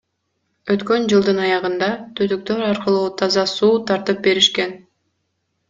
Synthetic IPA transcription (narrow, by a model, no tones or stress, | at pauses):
øt̪kø̞nd͡ʒɯlˠd̪ɯnɑjɑʁɯnd̪ɑt̪ʰød̪yk̚t̪ø̞ɾɑɾqɯlˠuːt̪ʰɑzɑsuːt̪ʰɑɾt̪ɯp̚be̞ɾiʃke̞n